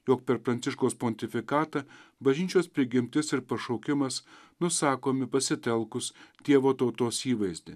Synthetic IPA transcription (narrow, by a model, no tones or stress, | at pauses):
joːk̚pʲɛɾpɾɐnʲt̪sʲɪʃkoːspoːnʲt̪ʲɪfʲɪkɑːt̪ɑbɐʒʲɪˑt͡ʃʲoːspʲɾʲɪɡʲɪmʲt̪ʲɪsɪɾpɐʃɔʊkʲɪmɐs | nʊsɑːkoːmʲɪpɐsʲɪt̪ʲɛlˠkʊst̪ʲiɛʋoːt̪ɐʊt̪oːsiːʋɐɪzʲd̪ʲɪ